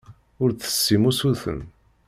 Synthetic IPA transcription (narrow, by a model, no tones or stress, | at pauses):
ʊɾθə̥sːimusuθə̰n